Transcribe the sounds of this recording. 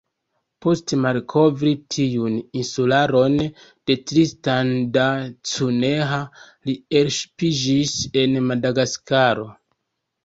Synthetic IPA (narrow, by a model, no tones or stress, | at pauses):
po̞stmalkʰo̞vɾitʰiuninsulaɾo̞n | d̥e̞tɾistandat͡suneɦa | lielʃpid͡ʒise̞nmadaɡaskaɾo̞